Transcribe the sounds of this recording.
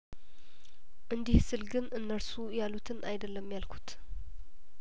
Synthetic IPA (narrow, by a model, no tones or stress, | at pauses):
ʔɨnd̪ihsɨlɡɨnʔɨnːəɾsujalut̪ʰɨnʔajd̪əlːəmjalkʰu̥t̪